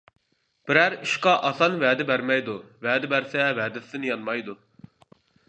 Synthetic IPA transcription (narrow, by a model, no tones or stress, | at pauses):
b̥ɪɾæɾiʃqɑʔɑsɑnvæːd̪ɪbæɾmɛjd̪uvæːd̪ɪbæɾsɛvɛːd̪ɪsɪnɪjɑnmɑjd̪u